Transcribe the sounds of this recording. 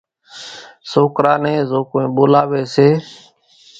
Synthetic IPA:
soːkɾaːnẽːzoːkoːĩːɓoːlaːʋeːseː

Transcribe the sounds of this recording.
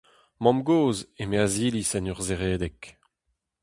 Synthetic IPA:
mɔ̃mɡoːzemeaziːlisɛnœʁzeʁeːd̪ɛk

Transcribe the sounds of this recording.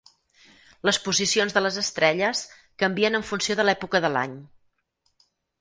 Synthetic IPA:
ləspuzisionzðələzəst̪ɾɛʎəs | kəmbiənəɱfunsioðəlɛpukəðəla̰ɲ

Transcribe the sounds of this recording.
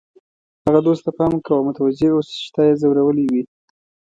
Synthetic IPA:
haɣad̪ost̪apɑmkawamʊt̪awad͡ʒeosʃt̪ɑjezawɾawəliwi

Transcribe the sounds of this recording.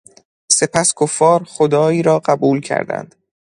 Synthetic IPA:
se̞pʰæskʰofːɒːɾχod̪ɒːiːɾɒːɢæbuːlcʰæ̰ɾd̪æ̰nd̪̥

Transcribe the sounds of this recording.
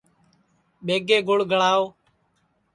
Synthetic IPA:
ɓeːɡeːɡʊɽɡʱəɭaːoː

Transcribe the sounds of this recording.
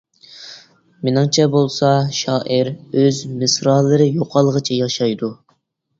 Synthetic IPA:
mɪnɪŋt͡ʃʰɛbolˠsɑʃɑːʔiɾøzmɨsɾɑlˠːɨɾɨjoqʰɑlˠəʁət͡ʃʰɛjɑʃɑjd̪u

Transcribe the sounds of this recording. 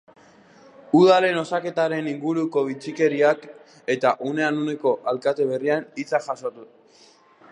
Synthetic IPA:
uðale̞no̞sake̞t̪aɾe̞niŋɡuɾuko̞β̞it͡sike̞ɾiak | e̞t̪aʔune̞anune̞ko̞ʔalkat̪e̞β̞e̞rianit͡saʝaso̞t̪u

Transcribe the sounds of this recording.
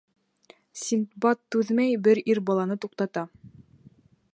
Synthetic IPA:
sʲint̪bɑt̪ːʉðmæjbɘɾiɾbɑlˠɑnɤt̪uqt̪ɑt̪ɑ

